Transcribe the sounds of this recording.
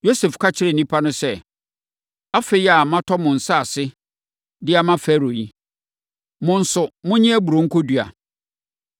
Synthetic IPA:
jo˦sɛ˨fkʰa˦t͡ɕʰɪ˦ɾɪ˨nĩ˦pʰa˦nʊ̃˦sɛ˦˨ | a˦fe˦ja˨mã˦tʰɔ˦mʊ̃˨n̩˨sa˦a˨sɪ˦ | dɪ˦a˨mã˦fɛ˦ɾo˨ji˦ | mʊ̃˨n̩˦sʊ˨mʊ̃˦ɲĩ˦æ˦bu˨ɾo˨ŋ̩˦kʰʊ˦dɥa̰˨

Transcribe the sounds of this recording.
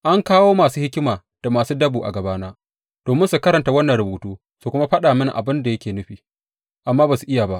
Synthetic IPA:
ʔa˦ŋkaː˦woː˦maː˨suː˦hɪ˦kʲɪ˦maː˨ | d̥a˨maː˨suː˦dɐ˦buː˨ʔa̰˨ɡɐ˨baː˦naː˦ | d̥oː˨mɪ˦nsu˨kɐ˦ɾɐ˨nta˦wɐ˦nːɐ˨nɾʊ˨boː˨tuː˦ | su˨kʷʊ˦ma˦ɸɐ˦ɗaː˨mɪ˦ŋʔa̰˨bɪ˦nda˨jɐ˦kʲeː˨nʊ˦ɸiː˨ | ʔa˨mːaː˦ba˨su˨ʔɪ˦ja˨ba˦ʔ

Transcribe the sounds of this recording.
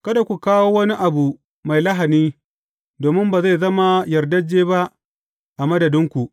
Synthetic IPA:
kɐ˦da˨kʷu˨kaː˦woː˦wɐ˦ni˦ʔa˨bu˨ | ma˨jlɐ˦ɦa˨niː˦ | doː˨mɪ˦mba˨za˦˨jzɐ˦ma˦jɐ˨rdɐ˦d͡ʒːeː˦ba˦ʔ | ʔa˨mɐ˦dɐ˨dɪ˦ŋkʷu˨ʔ

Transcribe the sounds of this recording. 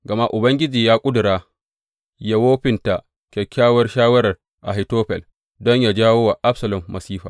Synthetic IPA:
ɡɐ˨ma˦ʔʊ˨bɐ˦ŋɡʲɪ˦d͡ʒiː˨jaː˦kʷʼʊ˦dʊ˨ɾaː˦ | ja˨woː˦ɸɪ˦nta˨ | kʲɛ˨kʲːaː˦wɐ˦rʃaː˦wɐ˦ɾɐ˨r | ʔa˨ɦi˨toː˦ɸɛ̰˨l | dɔ˦ɲja˨d͡ʒaː˦woː˦wa˨ʔa˦ɸsɐ˨lɐ˨mːɐ˨siː˦ɸa̰ː˨

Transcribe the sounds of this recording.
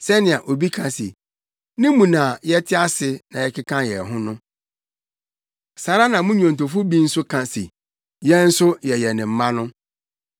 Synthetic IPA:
sɛ˦nɪ̃˨a˨ʔo˨bi˦kʰã˨sḛ˨ | nɪ̃˦mũ˨nã˨jɛ˦tʰɪ˦a˦sɪ˦nã˨jɛ˨kɪ˦kʰã˦jɛ˨ɦʊ̃˦nʊ̃˦ | sa˨ɾa˦nã˨mʊ̃˦ɲᶣ˦ɔ̃˨n̩˨tʰo˨fʊ˦bi˦n̩˦sʊ˦kʰã˨sḛ˨ | jɛ˦n̩˦sʊ˦jɛ˨jɛ˨nɪ̃˨m̩˦mã˦nʊ̃˦

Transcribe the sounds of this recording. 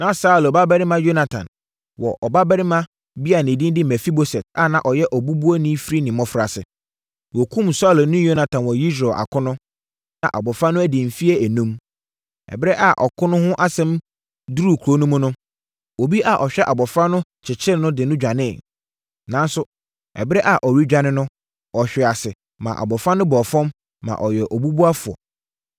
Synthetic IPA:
nã˨sa˦˨lɔ˨ba˦bɛ˦ɾɪ˦mã˦jo˦na˨tʰã̰˨n | wɔ̰˨ʔɔ˨ba˦bɛ˦ɾɪ˦mã˦ | bi˦a˨nɪ̃˨dĩ˦n˦dɪ˦mɛ˨fi˦bo˦sɛ˨t̚a̰˦nã˨ʔɔ˨jɛ˦ʔɔ˨bu˦bu˦ɔ˦nĩ˦fɾi˦nɪ̃˨mɔ̃˦fɾa̰˨sɪ̰˨ | wɔ˨kʰũ˦˨msa˦˨lnʊ̃˦jo˦na˨tʰã˨nwɔ˨ji˦s̬ɾɛ˨ʔa̰˨kʰʊ̃˦nʊ̃˦ | nã̰˨ʔa̰˨bɔ˨fɾa˦nʊ̃˦æ˦dɪ̃˨m̩˨fi˦ɛ˦æ˨nũ˦m | ɛ̰˨bɪ˦ɾɛ˦ʔa˨ʔɔ˨kʰʊ̃˦nʊ̃˦hʊ̃˦ʔa˦sɛ̃˦m | du˦ɾu˦˨kʰɾo˦nũ˦mʊ̃˦nʊ̃˦ | o˨bi˦ʔa˨ʔɔ˨ɕᶣɛ˦ʔa˨bɔ˨fɾa˦nʊ̃˦t͡ɕʰɪ˨t͡ɕʰɪ˦ɾnʊ̃˦dɪ˨nʊ̃˦d͡ʑᶣa˨nɪ̃˦˨ | nã˦n˦sʊ˦ | ɛ̰˨bɪ˦ɾɛ˦ʔa˨ʔɔ˨ɥi˦d͡ʑᶣa˦nɪ̃˦nʊ̃˦ | ɔ˨ɕᶣɛ˨a˨sɪ˨ | mã̰˨ʔa̰˨bɔ˨fɾa˦nʊ̃˦bɔ˨fɔ̃˦mː | ã̰˨ʔɔ˨jɛ˨ʔɔ˨bu˦bu˦a˦fʊ˨ɔ̰˨

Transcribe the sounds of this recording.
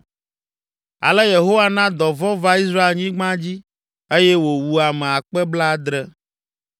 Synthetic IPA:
a̰˨lɛ˦je˨ɦo˦wa˦nã˦d̪ɔ˨vɔ˦va˦i˦s̬ɾa˦e˨lɲĩ˦ɡ͡bã˦d͡ʑi˦ | e˦jɛ˦wo˨wu˨a˨mɛ̃˨a˨k͡pɛ˦bla˦d̪ɾɛ˦

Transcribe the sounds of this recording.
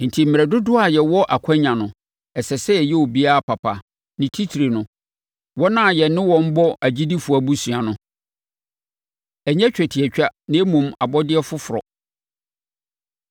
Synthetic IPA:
n̩˨tʰi˨m̩˨m˨ɾɛ˨dʊ˦dʊ˦a˨jɛ˨wɔ˦ʔa˨kʰã˦ɲã˨nʊ̃˨ | ɛ˨sɛ˨sɛ˦ɛ˨jɛ˦o˨bi˦a˦a˦˨pʰa˨pʰa˨ | nɪ̃˨tʰi˦tʰi˨ɾe˨nʊ̃˨ | wɔ˦nã˦˨jɛ˨nɪ̃˦wɔ̃˦m̩˦bɔ˦ʔæ˨d͡ʑi˦di˦fʊ˨a˨bu˦sɥ̃a˨nʊ̃˦ | ɛ˨ɲɛ̃˦t͡ɕᶣɛ˨tʰi˨ɛ˨t͡ɕᶣa˦nɪ̃˦e˦mũ˨ma˨bɔ˦dɪ˦ɛ˦fʊ˦fʊ˨ɾɔ̰˨

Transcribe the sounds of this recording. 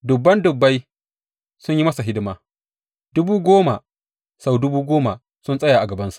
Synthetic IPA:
dʊ˨bːɐ˦ndʊ˨bːa˦j | sʊ˦ɲji˦mɐ˦sa˨ɦɪ˦dɪ˦maː˦ | dʊ˦buː˦ɡʷoː˦ma˨ | sa˦˨wdʊ˦buː˦ɡʷoː˦ma˨ | sʊ˦nsʼɐ˦jaː˨ʔa˨ɡɐ˨bɐ˦nsu̥˨ʔ

